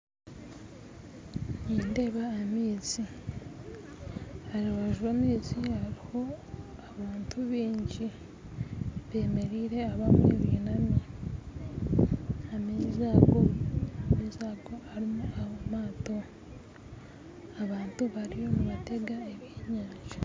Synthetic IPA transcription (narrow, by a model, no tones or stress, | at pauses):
niːnde̞βaːmiːzi | haɾiwaʒonizihaɾiho̞aβaːntʰuβiːɲɟi | βe̞ːme̞ɾiːɾe̞aβamḛβiːnami | amiːziaβɡonizaɡoaɾimuaβomaːto̞ | aβaːntuβaɾijo̞muβate̞ɡaeβjeːɲaːʒḁ